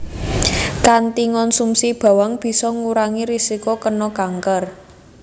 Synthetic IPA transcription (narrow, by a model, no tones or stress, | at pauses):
kant̪iŋɔnsumsib̥a̤waŋb̥i̤sɔŋuɾaŋiɾisikokənɔkaŋkər